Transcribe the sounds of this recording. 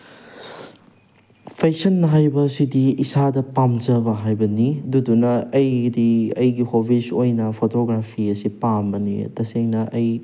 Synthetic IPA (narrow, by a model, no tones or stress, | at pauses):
pʰesɐnːɐɦajbɐsidiːsadɐpamd͡ʒɐbɐɦajbɐnidudunɐːjdiɐjɡihobisojnɐpʰotoɡɾapʰiɐsipambɐnḭtɐseŋnɐʔɐj